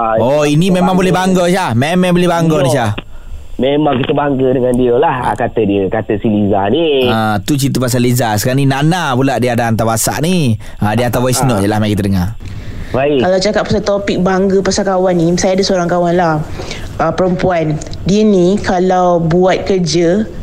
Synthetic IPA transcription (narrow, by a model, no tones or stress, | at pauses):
ɔinimemaŋbolɛhbaŋɡɔʃamemɛ̃bolɛhbaŋɡɔniʃa | memaŋkit̪əbaŋɡədəŋandiəlaha̰kat̪ədiəkat̪əsilizaniat̪ut͡ʃint̪upas̬alizasəkaɾaninanapulaʔdiəadaant̪awasa̰ʔni | adiəat̪awaisnɔʔjəlahmaj̃kit̪ədəŋa | baikalawt͡ʃakat̪̚pasalt̪opik̚baŋɡəpasakawanːĩsajadəsəoɾaŋkawanlah | ʔəpəɾəmpuan | diənikalawbuat̪̚kərd͡ʒə